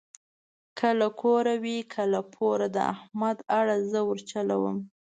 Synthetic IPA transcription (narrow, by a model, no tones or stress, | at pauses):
kʰəlakʰoɾawikʰəlapʰoɾad̪əa̰hmad̪aɽazəwəɾt͡ʃalawə̰m